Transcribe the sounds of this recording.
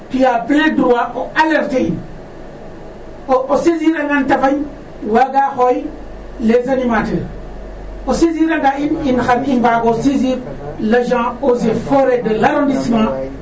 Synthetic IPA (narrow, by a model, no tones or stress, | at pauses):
pijableduwaʔoaleɾtein | oosiziɾaŋɡantafaj | waɡaxoj | lezanimateɾ | osiziɾaŋɡaininxanimbaɡosiziɾ | lad͡ʒãozefoɾedelaɾondisimã